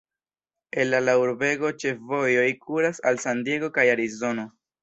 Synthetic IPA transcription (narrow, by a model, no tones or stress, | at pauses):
e̞nlalauɾbe̞ɡo̞t͡ʃe̞fvo̞jo̞jkuɾasalsandje̞ɡo̞kajaɾizo̞no̞